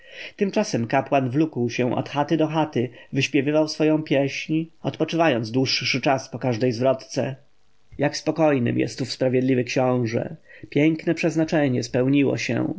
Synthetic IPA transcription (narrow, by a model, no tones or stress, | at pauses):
t̪ɘmt͡ʂasɛmkapwanvlukwɕɛ̃ʔɔ̰t̪xat̪ɘd̪ɔxat̪ɘvɘɕpʲjɛvɘvawsfɔjɔ̃w̃pʲjɛɕɲɔt̪pɔt͡ʂɘvajɔnd̪zd̪wuʂːɘt͡ʂaspɔkaʐd̪ɛjzvɾɔt̪t̪sɛ̰ | jakspɔkɔjnɘ̰mjɛ̰st̪ːufspɾavʲjɛd̪lʲivɘkɕɔ̃w̃ʐɛ̰pʲjɛŋknɛpʂɛznat͡ʂɛɲɛspɛwɲiwɔ̰ɕɛ̰̃